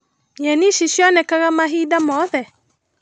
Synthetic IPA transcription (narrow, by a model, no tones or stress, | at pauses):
ɲɛniʃiʃjɔnɛkaɣamaɦiːdamɔðɛ